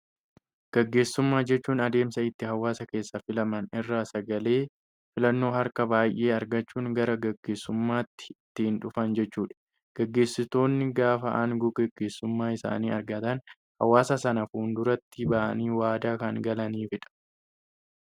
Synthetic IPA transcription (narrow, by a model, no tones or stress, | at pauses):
ɡ̥ɛɡːe̞ːsːʊmːaːd͡ʒɛt͡ʃːuːnɐd̪e̞ːmsɐɪt̪ːɪhɐwːaːsɐke̞ːsːɐfɪlɐmɐnɪrːaːsɐɡɐle̞ː | fɪlɐnːo̞ːhɐɾkɐbaːjʔe̞ːɐɾɡɐt͡ʃːuːŋɡɐɾɐɡɐɡːe̞ːsːʊmːaːt̪ːɪ̥t̪ːɪhɪnᶑʊfɐnd͡ʒɛt͡ʃːuːᶑɐ̥ | ɡ̥ɛɡːe̞ːsːɪt̪o̞ːnːɪɡaːfɐʔaːŋɡɔɡɛɡːe̞ːsːʊmːaːɪsa̰ːniːɐɾɡɐt̪ɐn | hɐwaːsɐsɐnɐfuːnd̪ʊɾɐt̪ːɪbɐʔɐ̰niːwaːd̪aːkɐŋɡɐlɐniːfɪᶑɐ̥